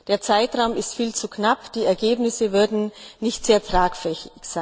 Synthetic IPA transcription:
d̥eːɐt͡saɪtʁ̥aʊmɪstfiːlt͡suknapd̥iːɛɐɡeːbnɪsəvʏɐdn̩nɪçtz̥eːɐtʁ̥aːkfɛçɪçz̥aɪn

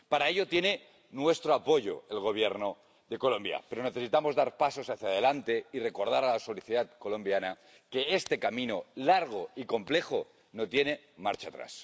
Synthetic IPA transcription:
paɾaeʎo̞t̪je̞ne̞ | nwe̞st̪ɾoapo̞ʝo̞̰elɣo̞β̞je̞ɾno | ðe̞ko̞lõ̞mbja̰pe̞ɾo̞neθe̞sit̪amo̞zðaɾpaso̞saθjað̞e̞lant̪e̞ire̞ko̞ɾð̞aɾalaso̞liθiðat̪ko̞lõ̞mbjana | ke̞est̪e̞kamĩno̞laɾɣ̞o̞iko̞mple̞xo | no̞t̪je̞ne̞ | ma̰ɾt͡ʃat̪ɾa̰s

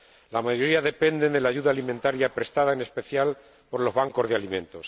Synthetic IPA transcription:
lamaʝoɾiaðe̞pe̞nd̪e̞nd̪e̞laːʝuðalimẽnt̪aɾjapɾest̪aðaene̞spe̞θjal | po̞ɾlo̞zβaŋko̞zðealimẽ̞nt̪o̞s

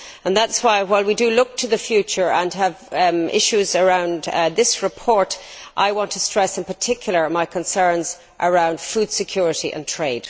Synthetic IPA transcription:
ə̃nðatswaɪwaɪlˠwidəlʊk̚tʰəðəfjʉt͡ʃə˞ə̃nəvɪ̰ʃʉzə˞ãʊ̃ndðɪsɹɨpʰɔɹɾʔa̰ɪwɑ̃ntʰəstɹ̥ɛsɪ̃npʰə˞tʰɪkʰjl̩ˠə˞maɪkʰə̃nsɜ̃˞nz | ʔəɹãʊ̃nd̥fuːd̥sɨkʰj̥ʊːɹɪɾiʔə̰̃ntʰɹ̥eɪd̥

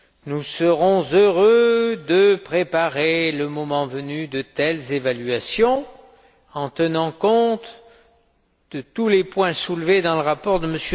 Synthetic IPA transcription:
nusəʁɔ̃zøʁød̪əpχepaʁeləmɔmɑ̃vənyd̪ət̪ɛlzevalɥasjɔ̃ | ɑ̃t̪ənɑ̃kɔ̃t̪ | d̪̥ət̪ulepwɛ̃sulved̪ɑ̃ləʁapɔʁd̪əməsjø

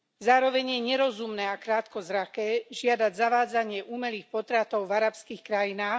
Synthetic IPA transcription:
zaːɾɔʋɛɲjɛɲɛɾɔzumnɛːakɾaːt̪kɔzɾakɛːʒɪad̪aɟzaʋaːd͡zaɲɪɛʔuːmɛliːxpɔt̪ɾat̪ɔʊvaɾapskiːxkɾajinaːx

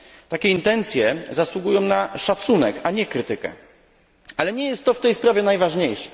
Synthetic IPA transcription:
t̪akʲɛint̪ɛnt̪sʲjɛzaswuɡujɔ̃w̃naʂat̪sunɛkaɲɛkɾɘt̪ɘkɛ̰ | alɛɲɛjɛst̪ːɔft̪ɛjspɾavʲɛnajvaʐɲejʂɛ̥

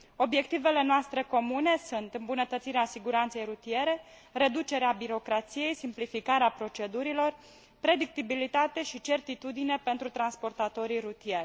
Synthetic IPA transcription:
o̞bje̞kt̪ive̞le̞noast̪ɾe̞ko̞mune̞sunt̪ɨmbunət̪ət̪siɾeasiɡuɾant̪se̞jɾut̪ije̞ɾe̞ | re̞d̪ut͡ʃe̞ɾeabiɾo̞kɾat̪sije̞jsimplifikaɾeapɾo̞t͡ʃe̞d̪uɾilo̞r | pɾe̞d̪ik̚t̪ibilit̪at̪e̞ʃit͡ʃe̞rt̪it̪ud̪ine̞pe̞nt̪ɾut̪ɾanspo̞rt̪at̪o̞ɾiɾut̪ije̞rʲ

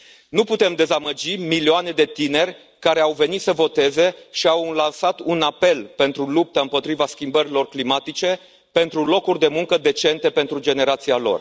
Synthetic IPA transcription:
nuput̪e̞md̪e̞zaməd͡ʒimilioane̞d̪e̞t̪ine̞rʲ | kaɾe̞awve̞nit̪səvo̞t̪e̞ze̞ʃiawlansat̪unape̞lpe̞nt̪ɾulup̚t̪aɨmpo̞t̪ɾivaskʲimbəɾilo̞rklimat̪it͡ʃe̞ | pe̞nt̪ɾulo̞kurʲd̪e̞muŋkəd̪e̞t͡ʃe̞nt̪e̞pe̞nt̪ɾud͡ʒe̞ne̞ɾat̪sialo̞̰r

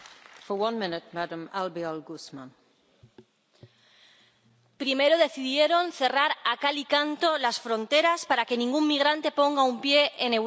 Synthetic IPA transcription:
fəwʌ̃nmɪ̃nɪt̚madə̃malbiɔlɡusmə̰̃n | pɾime̞ɾo̞ðe̞θiðje̞ɾo̞nθe̞raɾakalikant̪o̞lasfɾo̞nt̪e̞ɾaspaɾake̞nĩŋɡuŋmiɣ̞ɾant̪e̞po̞ŋɡaumpje̞ʔenew

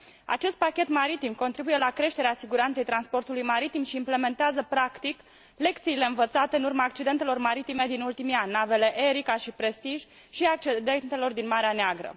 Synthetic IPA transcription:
a̰t͡ʃe̞st̪̚pakʲe̞t̪maɾit̪imko̞nt̪ɾibuje̞lakɾe̞ʃt̪e̞ɾeasiɡuɾant̪se̞jt̪ɾanspo̞rt̪ulujmaɾit̪imʃiːmple̞me̞nt̪eazəpɾakt̪ik | le̞kt̪siːle̞ɨnvət̪sat̪e̞ɨnurmaːk̚t͡ʃid̪e̞nt̪e̞lo̞rmaɾit̪ime̞d̪inult̪imianʲːave̞le̞ʔeɾikaʃipɾe̞st̪iʒʲ | ʃiak̚t͡ʃid̪ent̪e̞lo̞rd̪inmaɾeaneaɡɾə̰

